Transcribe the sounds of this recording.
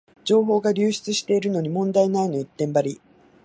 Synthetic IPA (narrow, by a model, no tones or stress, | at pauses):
d͡ʑo̞ːɦo̞ːɡaɾʲɨːɕi̥t͡sɨɕi̥t̪e̞iɾɯ̟no̞ɲ̟imõ̞nd̪ainaino̞it̪ːẽ̞mbaɾʲi